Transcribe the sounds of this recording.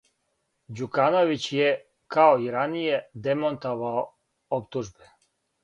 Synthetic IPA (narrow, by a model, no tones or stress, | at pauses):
d͡ʑukanoʋit͡ɕje | kaoiɾanijed̪emont̪oʋao | opt̪uʒbe